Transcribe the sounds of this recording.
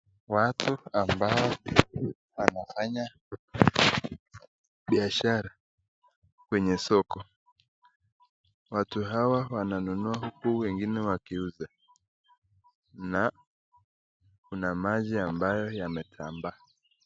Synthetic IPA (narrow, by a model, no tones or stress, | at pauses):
watuambaɔ | wanafaɲa | ɓiaʃaɾa | kwɛɲɛsɔkɔ | watuɦawawananunuahukuwɛŋɡinɛwakiuza | na | kunamaʄiambajɔjamɛtʰamba